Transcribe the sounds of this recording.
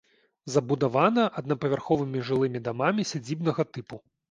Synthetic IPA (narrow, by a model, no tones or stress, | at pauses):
zɐbud̪avanɐʔɐd̪nɐpɐvʲarxɔvɨmʲiʐɨlˠɨmʲid̪amamʲisʲad͡zʲibnɐɣɐt̪ɨpu